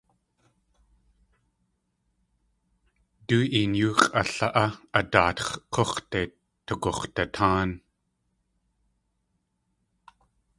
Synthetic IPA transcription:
t̪uːʔinjuːkʼaɬaʔaat̪a̰ːt̪χqʰoχt̪et̪ʰːukoχt̪at̪ʰaːn

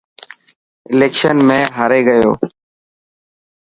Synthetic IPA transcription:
ɪleːkʃənmẽːɦaɾeːɡəjo̰ː

